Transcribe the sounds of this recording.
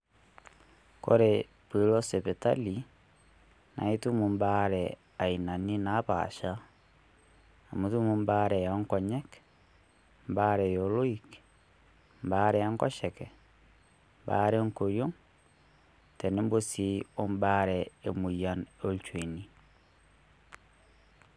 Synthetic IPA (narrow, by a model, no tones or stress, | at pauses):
ko̰ɾe | piloseβetali | na̰itumumbaɾɛ | ainaninaβa̰ʃa | amutumumbaɾɛjaŋkɔɲɛk | mbaɾɛjoloik | mbaɾɛaŋkɔʃɛkɛ | mbaɾeŋkoɾjoŋ | tɛnembosiombaɾɛemujanolt͡ʃwini